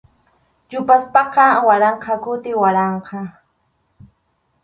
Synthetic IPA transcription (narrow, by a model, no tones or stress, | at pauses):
ʎʊpaspɑqɑwaɾɑɴqɑkʊt̪ɪwaɾɑɴqʰɑ